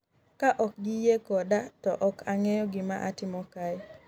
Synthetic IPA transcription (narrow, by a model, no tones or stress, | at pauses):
kaʔɔk̚ɡɪjekɔdatɔ̰ʔɔkʰaŋɛjɔɡɪma̰ʔatɪmɔkaj